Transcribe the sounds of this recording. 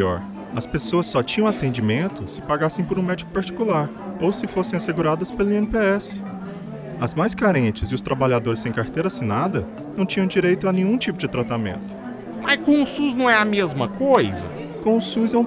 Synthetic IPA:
ɔ̰ɾ | ɐspesoɐsːɔt͡ʃĩɲɐ̃w̃at̪ẽnd͡ʒimẽnt̪ʊsɪ̥paɡasẽj̃poɾũmɛd͡ʒikʊ̥paɾt͡ʃi̥kulaɾ | owsɪfosẽj̃aseɡuɾad̪ɐspelʊiẽnpeɛsɪ̥ | ɐzmajskaɾẽt͡ʃɪzɪʊst̪ɾabaʎad̪oɾɪsːẽj̃kaɾt̪ejɾɐsinad̪ɐ | nɐ̃w̃t͡ʃĩɲɐ̃w̃d͡ʒiɾejt̪ʊɐnẽɲ̃ũt͡ʃipʊd͡ʒɪt̪ɾat̪amḛ̃nt̪ʊ̥ | mɐskõw̃ʊsuznɐ̃w̃ɛɐmezmɐkojzɐ̰ | kõʊsuzɛũ

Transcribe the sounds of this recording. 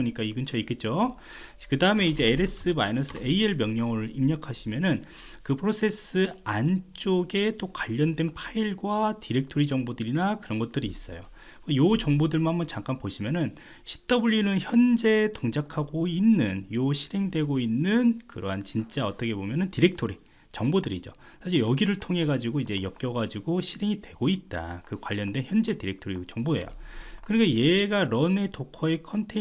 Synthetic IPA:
ɲik͈aiɡɯnt͡ɕʰʌik͈et̚t͡ɕ͈o | kɯdaɯme̞id͡ʑe̞ːɾe̞s͈ɯma̰inʌs͈ʰɯeieɭmjʌŋɲʌŋɯɾɭimɲʌkʰaɕʰimjʌnɯn | kɯpʰɯɾosʰe̞s͈ɯant͡ɕ͈oɡe̞t͈okwaʎːʌndwe̞npʰaiɭɡwatiɾe̞k̚tʰoɾid͡ʑʌŋbodɯɾinakɯɾʌnɡʌt̚t͈ɯɾiːs͈ʌ̰jo̰ | ejot͡ɕʌŋbodɯɭmanhambʌnt͡ɕaŋk͈anpoɕʰimjʌnɯn | ɕʰi̥t͈ʌbuʎjunɯnçjʌnd͡ʑe̞toŋd͡ʑakʰaɡoinːɯnjoɕʰiɾe̞ŋdwe̞ɡoinːɯnkɯɾʌɦant͡ɕint͡ɕ͈aʌt͈ʌkʰe̞bomjʌnɯntiɾe̞k̚tʰoɾi | t͡ɕʌŋbodɯɾid͡ʑo̰ | sʰaɕ̬ʰiɭjʌɡiɾɯɭtʰoŋɦe̞ɡad͡ʑiɡoid͡ʑe̞jʌk̚k͈jʌɡad͡ʑiɡoɕʰiɾe̞ŋidwe̞ɡoit̚t͈a̰kɯkwaʎːʌndeçjʌnd͡ʑe̞tiɾe̞k̚tʰoɾit͡ɕʌŋboe̞̰jo̰kɯɾnikajeɡaɾʌnetokʰʌekʰʌntʰe

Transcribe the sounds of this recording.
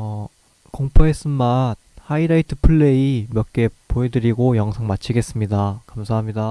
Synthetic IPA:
ʌ | koŋpʰoes͈ɯnman̚haiɾaitʰɯ̥pʰɯɭːe̞imjʌk͈e̞poedɯɾiɡojʌŋsʰaŋmat͡ɕʰiɡe̞s͈ɯmɲidakamsʰaɦamɲida

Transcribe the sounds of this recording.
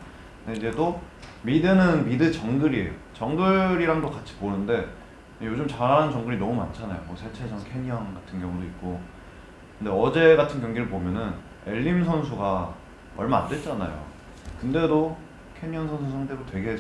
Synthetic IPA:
eid͡ʑe̞t͈o | midɯnɯnmidɯt͡ɕʌŋɡɯɾie̞̰jo | t͡ɕʌŋɡɯɾiɾaŋdokat͡ɕʰi̥ponɯnde̞ | jod͡ʑomt͡ɕaɾɦaanɯnt͡ɕʌŋɡɯɾinʌmuma̰nt͡ɕʰana̰jo̰mosʰe̞t͡ɕʰe̞d͡ʑʰʌŋkʰe̞ɲijʌŋɡatʰɯnɡjʌŋudoik̚k͈o | kɯnde̞ʌd͡ʑe̞ɡatʰɯnkjʌŋɡiɾɯɭpomjʌnɯn | e̞ʎːimsʰʌnsʰuɡa | ʌɭmaandwe̞t̚t͡ɕ͈ana̰jo̰ | kɯnde̞do | kʰe̞ɲijʌŋsʰʌnsʰusʰaŋtʰe̞ɾotwe̞ɡe̞ɦe

